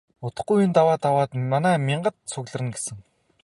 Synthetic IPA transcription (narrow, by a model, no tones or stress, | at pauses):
ʊt̪ə̆χɡujint̪awaːt̪awaːt̪manæːmʲɪɴɢə̆t̪sʰʊɣɮə̆rɘ̆nɡesɘ̆ŋ